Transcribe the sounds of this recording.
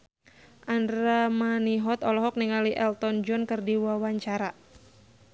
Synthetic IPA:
ʔandɾamaniɦɔt̪ɔlɔɦɔk̚niŋaliʔɛlt̪ɔnd͡ʒɔnkɨrdiwawaɲt͡ʃaɾa

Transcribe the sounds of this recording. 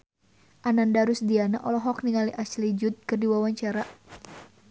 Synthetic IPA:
ʔanandaɾusdianaʔɔlɔɦɔkniŋaliʔaslid͡ʒut̪̚kɨrdiwawaɲt͡ʃaɾa

